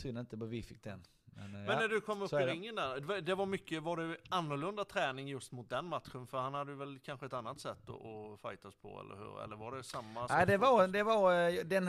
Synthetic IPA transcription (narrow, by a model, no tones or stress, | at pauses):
syːnaɪnt̪əbvɪfɪkːd̪ɛn | mɛ̰nmɛnːæɖɵkʰɔmːɵpsɪɾɪŋːənd̪æɾad̪ɛvaɾmʏkːəvaɖɛanːʊɾɭɵnd̪at̪ʰɾɛːnɪŋjɵst̪mʊt̪̚d̪ɛnmat̪ɧənfœɾhanhad̪ːəjəvɛlkʰanɧəɛt̪anːat̪sɛt̪ːɔ̰ʔɔfajt̪aɔspʰɔ̰ɛ̰lːə̰ɾhʉ̟̰ːɾɛ̰lːəɾvaɖɛsamːaad̪ɛvaɾd̪ɛvɑɾd̪ɛn